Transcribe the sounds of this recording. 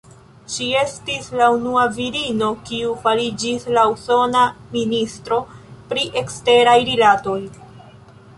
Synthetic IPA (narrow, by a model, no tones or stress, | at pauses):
ʃie̞stislaunuaviɾino̞kiufaɾid͡ʒislauso̞naministɾo̞pɾiʔe̞kste̞ɾajɾilato̞j